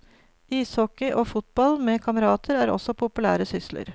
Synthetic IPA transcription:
iːshɔkəʔoːfʊt̪̚bɑlmeːkʰɑməɾɑːt̪ʰəɾæːɾɔ̰sɔpʰʊpʉlæ̰ːɾəsʏslə̰ɾ

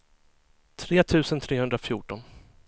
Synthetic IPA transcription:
t̪ʰɾeːt̪ʰʉ̟ːsənt̪ʰɾeːhɵnd̪ɾafjuːʈɔn

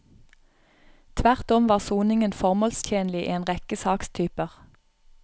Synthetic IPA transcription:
t̪ʰʋæʁt̪ɔmʋɑːʁsuːnɪŋənfɔʁmɔːlst̪ʰjeːnlɪḭːeːnʁɛkəsɑːkst̪ʰyːpəʁ

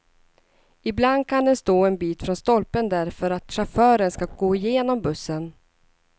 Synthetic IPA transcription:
ɪbland̪̚kʰand̪ɛnst̪oːɛnbiːt̪fɾɔnst̪ɔlpənd̪æɾfœɾat̪ʂafœːɾənskaɡ̥oːɪjeːnɔmbɵsːən

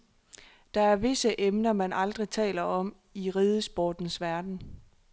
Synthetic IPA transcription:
d̥ɑ̈æɐʋe̝səʔemnɐmænɑ̈ld̥ʁit͡sʰɛ̰ːlɐɒ̽m | iʁiːðˠəsb̥oːd̥n̩sʋæɐd̥n̩

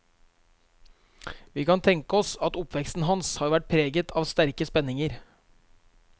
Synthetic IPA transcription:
ʋiːkɑnt̪ʰɛŋkəɔsɑt̪ʊpʋɛkst̪n̩ɦɑnshɑːɾʋæʈ̚pʰɾeːɡət̪ʰɑːʋst̪æɾkəspɛnːɪŋəɾ

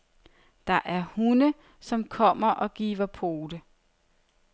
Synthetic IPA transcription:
d̥ɑ̈ʔæɐhunə | sɒ̽mkʰɒ̽m̰ɐʔɒ̽ɡ̥ḭːʋɐpʰo̝ːd̥ə

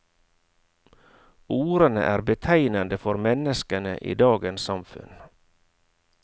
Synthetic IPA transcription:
uːɾənə̰ʔæːɾbət̪ʰæɪnɑnd̪əfɔɾmɛnəskənəʔḭːd̪ɑːɡənssɑmfʉ̰n

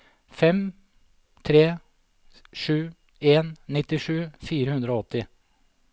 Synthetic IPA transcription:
fɛm | t̪ʰɾeː | ʂʉː | eːnːɪt̪ːɪʂʉːfiːɾəhʉnd̪ɾoːɔt̪ːɪ

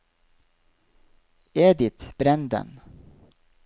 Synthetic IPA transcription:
eːd̪ɪt̪b̥ɾɛnd̪ə̰n

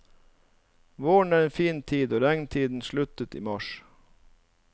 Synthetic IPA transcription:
ʋoːɳæːɾeːnfiːnt̪ʰiːd̪oːɾæŋnt̪ʰiːd̪n̩ʃɭʉt̪ət̪ḭːmɑʃ

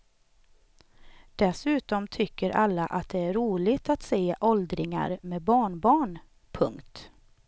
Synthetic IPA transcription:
d̪̥ɛsʉ̟ːt̪ɔmt̪ʰʏkːəɾʔalːaʔat̪̚d̪ɛæɾɾuːlɪt̪at̪seːʔɔld̪ɾɪŋa̰ɾmeːbɑːɳbɑːɳ | pʰɵ̰ŋkt̪

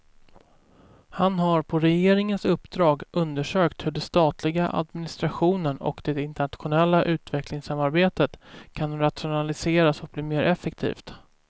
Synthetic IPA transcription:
hanɦaɾpʰɔɾɛjeːɾɪŋənsɵpːd̪ɾɑːɡɵnd̪əʂøːkt̪hɵɖɛst̪ɑːt̪ʰlɪɡaʔa̰d̪mɪnɪst̪ɾaɧuːnənɔ̰kd̪ɛɪnt̪ɛɳat̪ɧʊnɛlːaʔʉ̟ːt̪vɛklɪŋsamaɾbeːt̪ət̪kʰanɾat̪ɧʊnalɪseːɾasɔk̚bliːmeːɾʔɛfːɛkt̪ʰḭːft̪

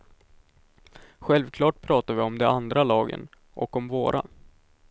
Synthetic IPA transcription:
ɧɛlvkʰlɑːʈ̚pʰɾɑːt̪avɪɔmd̪ɛand̪ɾalɑːɡə̰n | ʔɔ̰kːɔmvoːɾʔa̰

